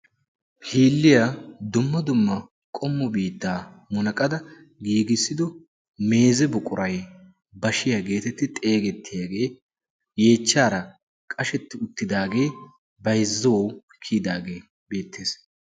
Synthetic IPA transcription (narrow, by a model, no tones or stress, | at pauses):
hiːlːɪjad̪ʊmːɐd̪ʊmːɐ | kʼɔmːɔbiːt̪ːaːmʊnɐkʼɐd̪ɐ | ɡiːɡɪsːɪd̪ɔ | me̞ːzɛbʊkʼʊɾɐj | bɐʃɪjɐɡe̞ːt̪ɛt̪ːɪt̪ʼe̞ːɡɛt̪ːɪjaːɡe̞ː | je̞ːt͡ʃːaːɾɐ | kʼɐʃɛt̪ːɪʊt̪ːɪd̪aːɡe̞ː | bɐjzːɐwɔw | kʰiːd̪aːɡe̞ː | be̞ːt̪ʰːeːs